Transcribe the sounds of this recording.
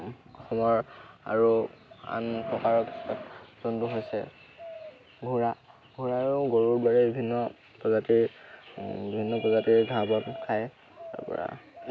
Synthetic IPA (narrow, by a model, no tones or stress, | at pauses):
ɔxɔmɔɹa̰ɹua̰npɹɔkaɹɔksatzɔntuɦojsɛ | bʱuɹa | bʱuɹaːɹuɡoɹuɹbaɹɛbibʱinːɔ | pɹɔzatiɹ | bibʱinːɔpɔzatiɹɡʱabɔnkʰaj | ta̰ɹpɔ̰ɹa̰